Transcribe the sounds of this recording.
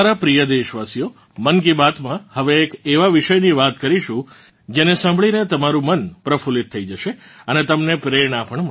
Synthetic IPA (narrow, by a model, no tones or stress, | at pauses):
aɾapɾijəd̪eʃʋasijo | mənk̬ibat̪mãhəʋeːkeʋaʋiʃəjniʋat̪kəɾiʃũ | d͡ʒenesãmbʱɭinet̪əmaɾũmənpɾəfulit̪ʰːəid͡ʒəʃeənet̪əmnepɾeɾɳapəɳmə